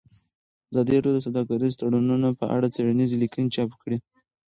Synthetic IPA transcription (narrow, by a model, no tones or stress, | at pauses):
azɑd̪iaɖjod̪əs̬awd̪ɑkaɾist̪aɽununopəʔa̰ɽat͡seɽanizilikənet͡ʃɑpkɽi